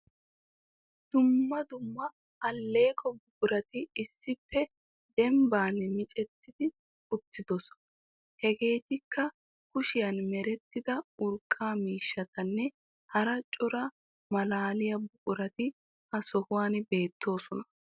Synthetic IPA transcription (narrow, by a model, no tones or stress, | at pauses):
d̪̥ʊmːɐd̪ʊmːɐ | ɐlːe̞ːkʰɔbʊkʼʊɾɐt̪ɪɪsːɪpːɛ | d̪ɛmbaːnmɪt͡ʃʼɛt̪ːɪd̪ɪ | ʊt̪ːɪd̪ɔsɔ̥nɐ | hɛɡe̞ːt̪ɪkːɐ | kʊʃɪjɐnmɛɾɛt̪ːɪd̪ɐʊɾkʼːaːmiːʃːɐt̪ɐnːɛ | hɐɾɐt͡ʃʼʊɾɐ | mɐlaːlɪjɐbʊkʼʊɾɐt̪ɪ | hɐsɔhʊwaːnbe̞ːt̪ʰːo̞ːsɔnɐ